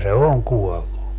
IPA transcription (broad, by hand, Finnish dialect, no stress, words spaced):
se oŋ kuɔlːu